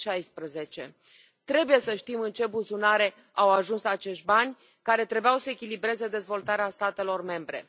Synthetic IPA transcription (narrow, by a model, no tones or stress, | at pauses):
ʃajspɾəze̞t͡ʃe̞̰ | t̪ɾe̞buje̞səʃt̪imɨnt͡ʃe̞buzunaɾe̞ | awaʒunsat͡ʃe̞ʃt̪̚ʲbanʲ | kaɾe̞t̪ɾe̞beawsəekʲilibɾe̞ze̞d̪e̞zvo̞lt̪aɾeast̪at̪e̞lo̞rme̞mbɾe̞̰